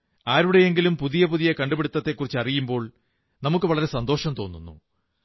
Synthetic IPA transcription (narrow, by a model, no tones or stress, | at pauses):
aːɾuɽe̞jeŋɡilumpuðijɐpuðijɐkɐɳɖubeɽut̪ːɐt̪ːe̞kːurit͡ɕːɨɐrijumbo̞ːɭ | nɐmukːɨʋɐɭɐɾe̞sɐnd̪o̞ːʂɐmt̪o̞ːnːunːṵ